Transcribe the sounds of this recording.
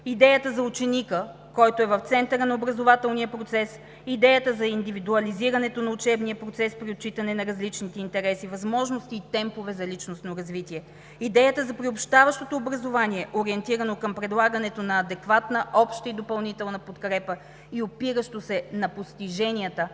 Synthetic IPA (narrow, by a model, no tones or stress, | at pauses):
id̪ɛjət̪əzɐut͡ʃɛnikə | kɔjt̪oɛvɐft̪sɛnt̪əɾənɐobɾɐzovat̪ɛlˠniəpɾot̪sɛs | id̪ɛjət̪əzɐind̪ivid̪uɐliziɾɐnɛt̪onɐut͡ʃɛbniəpɾot̪sɛspɾiot̪̚t͡ʃit̪ɐnɛnɐɾɐzlit͡ʃnit̪ɛint̪ɛɾɛsivɐzmɔʒnost̪iːt̪ɛmpovɛzɐlit͡ʃnost̪noɾɐzvit̪iɛ | id̪ɛjət̪əzɐpɾiopʃt̪avɐʃt̪ot̪oːbɾɐzovaniɛʔoɾiɛnt̪iɾɐnokəmpɾɛd̪lˠaɡənɛt̪onɐːd̪ɛkvat̪nəʔɔpʃt̪əid̪opɐlˠnit̪ɛlˠnɐpot̪kɾɛpə | iopiɾəʃt̪osɛnɐpost̪iʒɛniət̪ə